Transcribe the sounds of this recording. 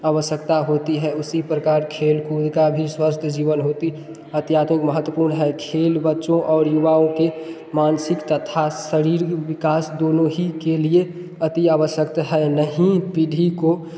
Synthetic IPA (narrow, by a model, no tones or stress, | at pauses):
aʋəʃjəkt̪aɦot̪iɦɛʊsipɾəkaːɾkʰeːlkuːd̪ʱkabʱiswəst̪ʰəd͡ʒiːʋənɦoːt̪i | ət̪jaːt̪mɪkməɦət̪ːwəpuːɾnɦɛkʰeːlbətːʃõʔɔːɾjuʋaõke | maːnsɪkt̪ət̪ʰasəɾiːɾwɪkaːsd̪oːnõɦikelie | ət̪iaːʋəʃjəkt̪ɦɛnəɦĩpiɖʱiko